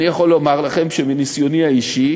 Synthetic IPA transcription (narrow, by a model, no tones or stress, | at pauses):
nijaχo̞lːo̞maʁlaχe̞mʃeminisjo̞niaiʃi